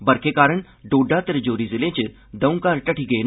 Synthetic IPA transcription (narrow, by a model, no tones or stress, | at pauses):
bɐɾkʰekaːɾəɳ̃ | ɖoːɖat̪əɾd͡ʒoːɾizɪlẽːt͡ʃɪ | d̪ɐũkaːɾʈɐʈʰiɡɐen